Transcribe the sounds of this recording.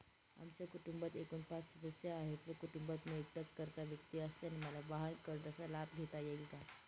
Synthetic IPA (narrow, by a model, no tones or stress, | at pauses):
a̰mt͡ɕjakuʈumbət̪ekuːnpat͡ssəd̪əsjaːɦet̪ʋəkuʈumbət̪meːk̚ʈat͡skəɾt̪aʋjək̚t̪iəst̪eaniməlabaɦankəɾɖat͡salabɡʱet̪ajeɡika